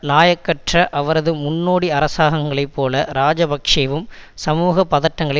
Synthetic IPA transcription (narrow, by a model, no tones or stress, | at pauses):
naːjɐkːɐʈrɐʔɐʋɐɾɐðɯmʊnːoːɽiɐɾɐsaːɣɐŋɡɐɭɐɪpːoːlɐɾaːd͡ʒɐbɐkʂɐʋɯmsɐmuːɣɐpːɐðɐʈːɐŋɡɐɭɐ